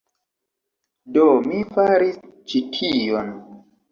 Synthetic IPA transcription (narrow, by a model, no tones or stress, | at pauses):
domifaɾist͡ʃitʰijon